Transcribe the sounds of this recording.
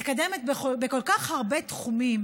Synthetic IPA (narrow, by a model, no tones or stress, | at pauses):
tkademet̪̚beχobeko̞lkaχhaʁbet̪χumim